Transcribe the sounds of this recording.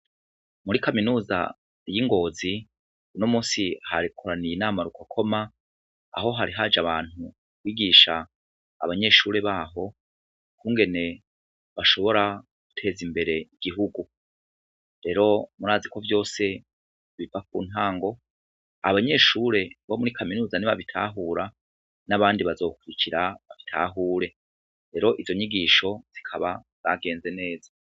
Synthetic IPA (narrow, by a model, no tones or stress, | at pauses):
muɾikaminuːza̰ | jiŋɡo̞ːzi | unomuːsiha̰ɾikʰoɾanijinaːmaɾukʰokʰo̞ma̰ː | ɦo̞ɦaɾiɦad͡ʒaβaːn̥u | kwiːɡiːʃa̰ː | βaɲe̞ʃuːɾe̞βaːɦo̞ | kʰuːŋɡe̞ne̞ | βaʃo̞βo̞ɾaɡ̥utʰe̞ːzimbe̞ɾe̞iɡ̥iɦuɡu | ɾe̞ːɾo̞muɾaːziko̞vjo̞ːse̞ | βivak̚uːn̥haːŋɡo̞ | a̰βaɲe̞ʃuːɾe̞βomuɾikʰaminuːzaniβaβitʰaːɦuːɾa | naβaːndiβazo̞ːkuɾicʰiɾaβaβitʰa̰ːɦuːɾe̞ | ɾe̞ɾo̞ʔizo̞ɲiɡiʃo̞z̥ikʰaβa | z̥aɡe̞ːnze̞ne̞ːza